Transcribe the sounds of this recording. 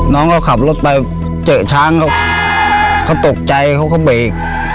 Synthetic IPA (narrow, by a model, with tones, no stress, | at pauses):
nɔː˦˥ŋkʰa˧˩wkʰa˨˩p̚lo˦˥t̪̚pa˧j | t͡ɕɤː˨˩t͡ɕʰaː˦˥˨ŋkʰa˧˥˩w | kʰa˧˥˩wt̪o˨˩k̚t͡ɕa˧jkʰa˧˥˩wkʰa˧˥˩wbeː˨˩k̚